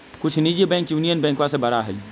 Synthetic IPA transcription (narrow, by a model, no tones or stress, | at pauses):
kʊt͡ʃʰnid͡ʒebɛ̃ːŋkjuːnijənbɛ̃ːŋkʋasebɐɾaɦɛi